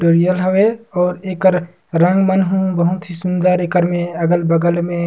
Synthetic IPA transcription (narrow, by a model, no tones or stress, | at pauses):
oːɾijəlɦəweɔːɾeːkəɾ | ɾə̃ŋɡmənɦũbəɦʊt̪ɦisund̪aːɾeːkəɾmẽəɡəlbəɡəlmẽ